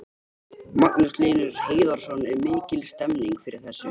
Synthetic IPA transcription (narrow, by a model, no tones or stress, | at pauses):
maknʏsleːjnʏɾ̥heːjðɔɾ̥sɔnɛɾmɪːcɪlst̪ɛmniŋkfɪɾɪɾ̥θɛsːɪ